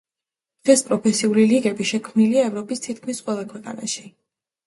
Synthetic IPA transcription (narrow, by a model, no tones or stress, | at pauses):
d̪̥ʁɛspʼɾɔpʰɛsiuliliɡɛbiʃɛkʰmniliaɛvɾɔpʼist̪ʰit̪̚ʰkʰmisqʼwɛlˠakʰwɛqʼa̰na̰ʃi̥